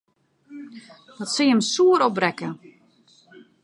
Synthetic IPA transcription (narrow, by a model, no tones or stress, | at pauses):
dɔtsiəmsuəɾɔp̚brɛkə